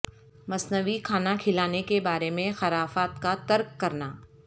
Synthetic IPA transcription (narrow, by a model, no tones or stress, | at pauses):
mɐsnəʋikʰaːnakʰɪlaːnekebaːɾemẽxɐɾaːfaːt̪kat̪ɐɾkːɐɾnaː